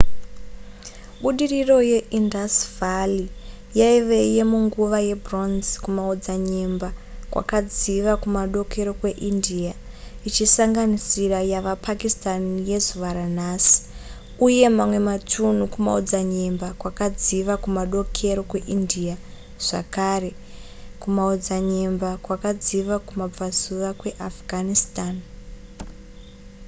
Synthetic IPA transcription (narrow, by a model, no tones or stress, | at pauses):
ɓuɗiriro̞je̞ʔindasvali | jaiʋe̞je̞muŋɡuʋaje̞bʱronzkumaod͡zaɲembakwa̰kad͡ziʋakumaɗo̞kʰe̞ɾo̞kwe̞ʔindia | it͡ʃisaŋɡanisirajaʋapʰakistanije̞zuʋaɾan̤aːsi̥ | uje̞mamwe̞matʰun̤ukuma̰od͡zaɲembakwakad͡ziʋakumaɗo̞kʰe̞ɾo̞kwe̞ʔindia | ʐ̥akare̞ | kumaod͡zaɲembakwakad͡ziʋakumab͡vazuʋakwe̞ʔafɡʱanistaːn